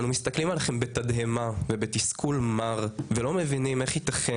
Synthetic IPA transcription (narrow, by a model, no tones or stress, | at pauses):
numist̪aklimalaχembet̪ad̪ɦemavebet̪iskʰulmaʁvelo̞mevinimeχit̪aχe